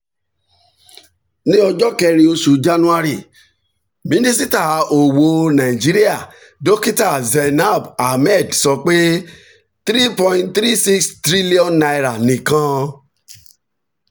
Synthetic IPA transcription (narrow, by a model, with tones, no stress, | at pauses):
nĩ˦ɔ˧d͡ʒɔ˦kɛ˧ɾi˧o˧su˨d͡ʒa˦nũ˦a˧ɾi˦˨ | mĩ˨˦nĩ˦s̬i˦ta˦˨o˨wo˨nã˨i˨d͡ʒi˦ɾi˦a˦˨ | do˦ki˦ta˦˨zɛ˨na˦˨ba˨mɛ˦˨dsɔ˧k͡pe˦ | t̪ɾi˦pɔ̃˧ĩ˧nt̪ɾi˦si˦kstɾi˦li˦ɔ̃˦nːa˧i˦˨ɾa˨nĩ˨kã˧